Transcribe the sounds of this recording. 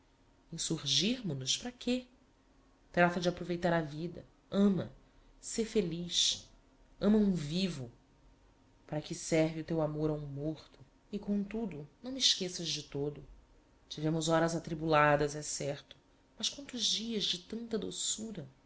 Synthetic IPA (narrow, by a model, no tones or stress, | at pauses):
ẽj̃suɾʒiɾmʊnʊʃpɾɐkʰe | t̪ɾat̪ɐd͡ʒɪapɾovejt̪aɾɐvid̪ɐ̰ | ɐ̃mɐ̰ | sefeliʃ | ɐ̃mɐũvivʊ | paɾɐkɪsɛɾviʊt̪ewamoɾaũmoχt̪ʊ̥ | ɪkõt̪ud̪ʊnɐ̃w̃mɪʃkesɐzd͡ʒɪt̪od̪ʊ | t͡ʃivẽmʊzɔɾɐzat̪ɾibulad̪ɐzɛsɛɾt̪ʊ̥ | mɐskwɐ̃nt̪ʊzd͡ʒiɐzd͡ʒɪt̪ɐ̃nt̪ɐd̪osuɾɐ